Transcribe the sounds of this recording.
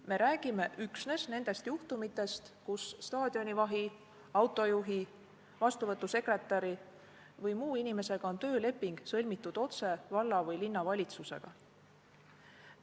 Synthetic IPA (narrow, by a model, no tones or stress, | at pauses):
me̞ɾʔæːɡ̥ime̞ʔyksne̞sne̞nd̪̥e̞st̪juht̪umit̪ːˑe̞st̪kusːt̪ɑːd̪̥io̞nivɑɦi | ɑwt̪ːˑo̞juɦi | vɑst̪uvɤt̪ːuse̞kre̞t̪ːˑɑɾi | vɤjmuːinime̞se̞ɡ̥ɑo̞nt̪øːle̞pːiŋɡ̥sɤlʲmit̪ːˑud̪̥o̞t̪se̞vɑlːɑvɤjlinːɑvɑlʲit̪suse̞̰ɡ̥ɑ̰